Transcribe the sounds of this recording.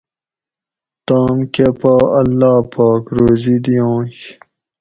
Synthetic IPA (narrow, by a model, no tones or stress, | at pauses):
t̪aːmkepaːɐlːaːpaːkɾoːzid̪ijõːɕ